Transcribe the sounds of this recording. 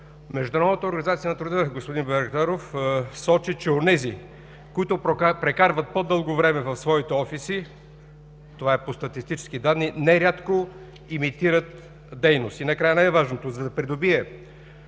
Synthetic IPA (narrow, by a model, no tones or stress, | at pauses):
mɛʒd̪ʊunɾɔd̪nət̪əoɾɡɐnizat̪siənɐt̪ɾʊd̪əɡospod̪inbɛɾkt̪aɾofsɔt͡ʃit͡ʃɛonɛzi | koit̪ʊpɾɛkaɾvət̪̚pod̪ɤlˠɡovɾɛmɛvɐfsvɔit̪ɛɔfisi | t̪ovaɛpost̪ɐt̪ist̪it͡ʃɛ̥skid̪ad̪nːinɛɾʲjat̪ko | imit̪iɾət̪ | d̪ɛjnost̪inɐkɾajənaɛvaʒnot̪ozɐd̪ɐpɾid̪obiɛ